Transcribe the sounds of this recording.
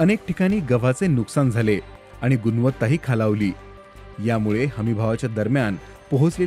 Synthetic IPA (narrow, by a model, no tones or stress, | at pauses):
ənek̚ʈikaɽ̃iːɡəʋ̤at͡senuksand͡zʱale | aɽ̃iɡunʋət̪ːaɦiːkʰalaʋliː | jamuɭehəmibʱaʋat͡ɕjad̪əɾmjan | pəɦot͡sle